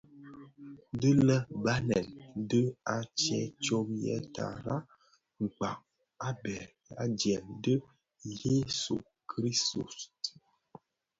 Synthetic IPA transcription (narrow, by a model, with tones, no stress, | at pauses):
də˦lə˦ba˦nɛ˨ldə˦a˨t͡ʃɛ˦t͡ʃo˦p̚jɛ̰˦tʰa̰˨ɾa˦ | ŋ͡m̩˨k͡pa˨ŋ | a˦bɛ˨ | a̰˦djɛ˨mdə˦ | je˦sṵ˨ | kʰɾi˦u˨s